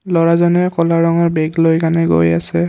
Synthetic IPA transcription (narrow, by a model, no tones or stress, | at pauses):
lɔɹazɔnɛkɔlaɹɔŋɔɹbɛɡlojkanɛɡo̰ja̰sɛ